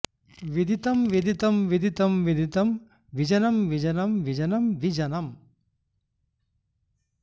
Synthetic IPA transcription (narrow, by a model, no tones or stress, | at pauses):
ʋid̪ʱit̪ɐmʋid̪ʱit̪ɐmʋid̪ʱit̪ɐmʋid̪ʱit̪ɐm | ʋid͡ʒɐnɐmʋid͡ʒɐnɐmʋid͡ʒɐnɐmʋid͡ʒɐnɐm